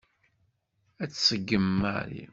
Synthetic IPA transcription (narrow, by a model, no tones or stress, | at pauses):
æt͡sːsəɡːəmːa̰ɾḭ